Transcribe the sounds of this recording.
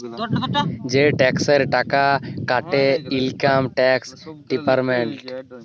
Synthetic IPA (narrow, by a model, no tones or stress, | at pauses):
d͡ʒeʈɛksəɾʈakakaʈeilkaːmʈɛːksɖipəɾmeɳʈ